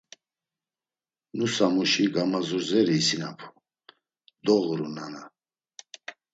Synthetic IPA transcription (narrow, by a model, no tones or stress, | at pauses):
nusamuʃiɡamazuɾzɛɾiːsinapʰu̥ | d̪ɔɣɾunana